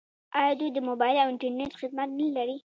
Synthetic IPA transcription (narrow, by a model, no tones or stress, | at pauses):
ɑjɑd̪ud̪əmobɑɪlawɪɳʈaɾneʈxɪd̪mat̪̚nalaɾi